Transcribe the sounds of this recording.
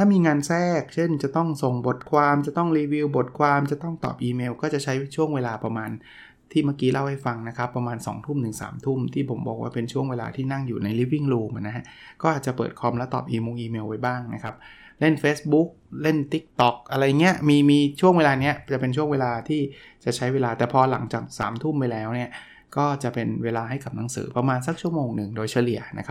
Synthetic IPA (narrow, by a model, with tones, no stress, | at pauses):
t̪ʰaː˥˩miː˧ŋaː˧nsɛː˥˩k̚t͡ɕʰe˥˩ŋt͡ɕa˨˩t̪ɔ˥˩ŋso˨˩ŋbo˨˩t̪̚kʰwaː˧mt͡ɕa˨˩t̪ɔ˥˩ŋɾiː˧wi˧wbo˨˩t̪̚kʰwaː˧mt͡ɕa˨˩t̪ɔ˥˩ŋt̪ɔ̰ː˨˩p̚ʔiː˧meː˧wkɔː˥˩t͡ɕa˨˩ʔt͡ɕʰa˦˥jt͡ɕʰu˥˩əŋweː˧laː˧pɾa˧maː˧n | t̪ʰiː˥˩ma˥˩kiː˦˥lʔa˥˩wha˥˩jfa˧ŋna˦˥kʰa˦˥pːɾa˧maː˧nsɔ̰ː˩˦ŋt̪ʰu˥˩mnɯ˨˩ŋsa̰ː˩˦mt̪ʰu˥˩mt̪ʰiː˥˩pʰo˩˦mbɔ̰ː˨˩k̚waː˥˩pe˧nt͡ɕʰu˥˩əŋweː˧la̰ː˧t̪ʰiː˥˩na˥˩ŋjuː˨˩na˧jli˦˥p̬̚ːi˥˩ŋɾuː˧mʔa˨˩na˦˥ɦa˦˥kɔː˥˩ʔaː˨˩t̪̚t͡ɕa˨˩pɤ̰ː˨˩t̪̚kʰɔ˧mlɛ˦˥t̪ɔ̰ː˨˩p̚ʔiː˧moː˧ŋʔiː˧meː˧wa˧jbaː˥˩ŋna˦˥kʰa˦˥p̚ | le˥˩nfeː˦˥sbu˦˥k̚le˥˩nt̪i˦˥k̚t̪ɔ˨˩k̚ʔa˧ɾa˧jːa˨˩ŋːi˦˥ɐʔmiː˧miː˧t͡ɕʰu˥˩əŋwe˧laː˧ni˦˥ɐt͡ɕa˨˩pe˧nt͡ɕʰu˥˩əweː˧laː˧t̪ʰiː˥˩ | t͡ɕa˨˩ʔt͡ɕʰa˦˥jweː˧laː˧t̪ɛː˨˩pʰɔː˧la̰˩˦ŋt͡ɕaː˨˩k̚sa̰ː˩˦mt̪ʰu˥˩mpa˧jlɛː˦˥wni˥˩ɐ | kɔː˥˩t͡ɕa˨˩pe˧nweː˧laː˧ɦa˥˩jka˨˩p̚na˩˦ŋsɯ̰ː˩˦pɾa˧maː˧ns̬a˧˥k̚t͡ɕʰu˥˩əmoː˧ŋnɯ˨˩ŋdoː˧jt͡ɕʰa˧li˨˩əna̰˦˥kʰa˦˥